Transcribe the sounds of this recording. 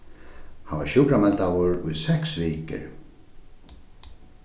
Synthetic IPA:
hava̰ʃjuːkɾamɛlt̪awʊɹʊjðsɛksviːkɪ̰ɾ

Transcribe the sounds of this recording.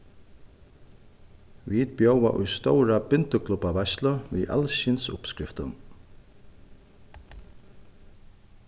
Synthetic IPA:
vit̪̚bjowa̰ʔʊjst̪owɾabɪnt̪ʊkʰlupavɛsləvḭʔa̰lʃɪnsʊ̰pskɾɪft̪ʊ̰n

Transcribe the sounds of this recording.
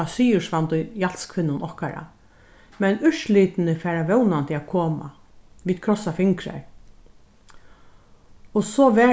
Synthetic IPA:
asiːjʊʂʋant̪ʊjjal̥skʰʋɪnːʊnʔɔhkaɾa̰ | mɛnʏʃliːt̪ɪnɪfɛːɹaʋɛwnant̪ʰɪaːkʰoːma̰ | ʋiːd̪̥kʰɾɔsafɪŋkɾa̰ɹ | ɔsɔːʋɛː

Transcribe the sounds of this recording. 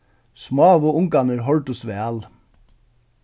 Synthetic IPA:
smɑːʋoːʊŋkɑnəɾɦɔɭʈ̪ʊsʋeːɑl

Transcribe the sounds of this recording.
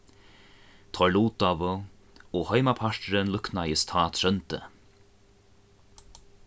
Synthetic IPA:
t̪ʰɔluːt̪avʊ | ɔhœjmapʰaʂtɾɪnlʏknaɪst̪ʰaːt̪ʰɾœnt̪ə̰

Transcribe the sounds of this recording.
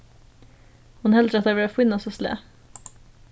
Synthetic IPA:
hʊnhɛld̪ɾɛt̪øːvəɾafoːɪnːɔsɔslḛː

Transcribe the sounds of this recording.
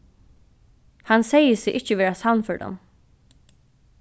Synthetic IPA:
hansɛjəsɪʔɪht͡ʃəʋɛːɹasalmfœɹɖa̰n

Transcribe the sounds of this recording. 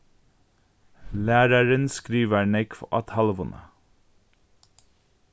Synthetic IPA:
læːɾəɹənskɾiːʋəɳɛkfɑ̰t̪ʰhɑləʋʊnʔə̰

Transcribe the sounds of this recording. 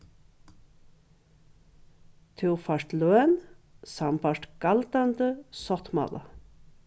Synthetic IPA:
t̪ʰʉːʁfɑʂtløːnsɑmpʰɑʂʈɡ̥ɑlt̪and̪əsɔt̪mɑ̰lɑ̰

